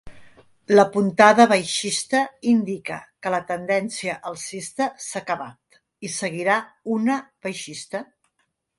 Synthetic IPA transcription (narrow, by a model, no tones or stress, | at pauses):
ləpunt̪aðəβəjʃist̪əind̪ikə̰kələt̪ənd̪ɛnsiəʔəlˠsist̪əsakəβa̰t̪ | isəɣ̞iɾaunəβəjʃist̪ə